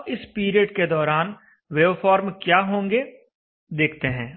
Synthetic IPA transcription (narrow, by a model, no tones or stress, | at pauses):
ɪspiːɾijəɖked̪ɔːɾaːn | ʋeːʋfɔːɾmkjaːɦõːŋɡe | d̪eːkʰt̪eɦɛ̃ː